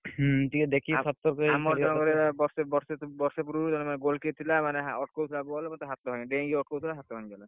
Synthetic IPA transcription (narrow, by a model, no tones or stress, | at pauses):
t̪iked̪ekʰisʰat̪ːɔɾkɔmɔɾɔkɔɾebɔɾsebɔɾsebɔɾsep̬uɾut̪ɔnemaneɡolket̪ʰilamaneɦaɔʈkowt̪ʰilabuɔlmɔt̪ɦat̪ːɔɦɔj̃ɖẽɡiɔʈ̚kowt̪ʰilaɦat̪ɔɦɔ̃jd͡ʒala